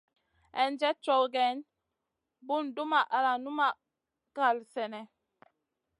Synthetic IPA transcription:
ɛ˨nd͡ʒɛ˦t͡ʃɔ˨ɡɛ˨˦n | bu˦ndu˦ma˨ʔa˨la˨nu˦ma˨ | ka˨lsɛ˨nɛ˨

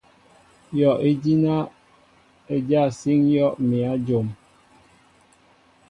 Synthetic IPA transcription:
jɔ˨ʔe˦d͡ʒi˦na˦ | e˨d͡ʒa˦˨si˦ŋjɔ˦ʔmi˨a˨˦d͡ʒo˨m

